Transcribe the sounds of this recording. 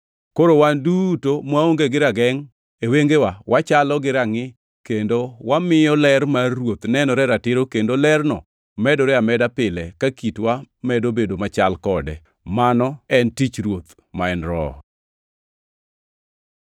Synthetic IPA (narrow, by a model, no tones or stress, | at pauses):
koɾowandutomwaoŋɡeɡɪɾaɡɛŋ | eweŋɡewawʔat͡ʃalɔɡɪɾaŋɪ | kendowamɪjɔlɛɾmaɾwot̪nɛnɔɾɛɾatɪɾokendolɛrnɔ̰ | mɛdɔɾɛamɛdapɪlɛkakitwamɛdobedomat͡ʃalkɔdɛ | manɔɛntit͡ʃɾwot̪ | maɛnɾɔ̰